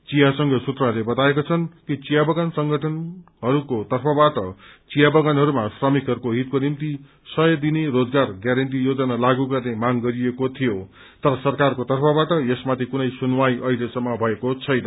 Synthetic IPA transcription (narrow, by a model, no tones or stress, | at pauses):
t͡sijasʌŋɡʌsut̪ralebʌt̪aekot͡sʰʌnkit͡sijabʌɡansʌŋɡʱʌʈʰʌnɦʌɾukot̪ʌrpʰʌbaʈʌt͡sijabʌɡanɦʌɾumasrʌmikɦʌɾukoɦit̪̚konimt̪i | sʌjʌd̪inerod͡zɡarɡjaɾʌnʈ̬ijod͡zʌnalaɡuɡʌrnemaŋɡʌɾiekot̪ʰijo | t̪ʌɾʌsʌrkarkot̪ʌrpʰʌbaʈʌesmat̪ʰikunʌjsunwajʔʌjlesʌmːʌbʱʌekot͡sʰʌjnʌ